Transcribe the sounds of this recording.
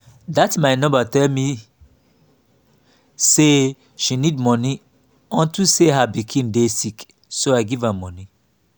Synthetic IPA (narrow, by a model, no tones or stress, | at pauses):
datmaɪnɔ̃batɛlmi | se | ʃinidmɔni | ɔ̃ntuseɦabikʰĩndesik | soaɪɡivamɔ̃ni